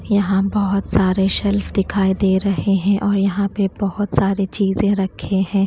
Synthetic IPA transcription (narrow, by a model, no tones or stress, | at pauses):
jɐɦãbɐɦʊt̪saːɾeʃɛlfd̪ɪkʰaːid̪eːɾɐɦeɦɛ̃ʔɔːɾjɐɦãpebɐɦʊt̪saːɾet͡ʃiːzẽɾɐkʰːeɦɛ̃ː